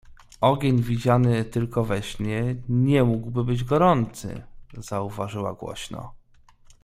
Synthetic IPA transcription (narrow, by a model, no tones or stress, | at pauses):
ɔɡʲeɲvʲid͡ʑanɘt̪ɘlkɔvɛɕɲɛɲɛmuɡwbɘbɘd͡ʑɡɔɾɔnt̪sɘ̰z̥auvaʐɘwa̰ɡwɔ̰ɕnɔ̰